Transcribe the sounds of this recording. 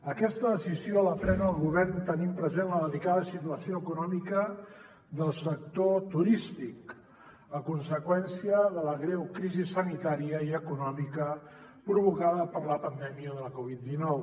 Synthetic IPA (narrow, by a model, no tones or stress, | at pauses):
əkɛst̪əðəsizioələfɾɛnəːlˠɣuβɛrnt̪ənimpɾəzenləðəlikaðəsit̪uəsioəkunɔmikə | ðəlˠsək̚t̪ot̪uɾist̪ik | əkunsəkwɛnsiəðələɣɾɛwkɾizisənit̪aɾiəiəkunɔmikə | pɾuβ̞ukaðəpəɾləpənd̪ɛmiəðələkɔβ̞it̪̚d̪inɔw